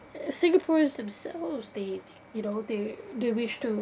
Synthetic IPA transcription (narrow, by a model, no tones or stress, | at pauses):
sɪ̃ŋɡəpʰɔɹzðɨ̃msɛ̰lˠvzðeɪ | jɨnoʊðeɪðeɪwɪʃtʰɨ